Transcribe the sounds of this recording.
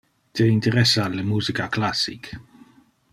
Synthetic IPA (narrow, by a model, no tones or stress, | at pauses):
t̪eint̪eɾɛsaːlemuːzikaklasːḭk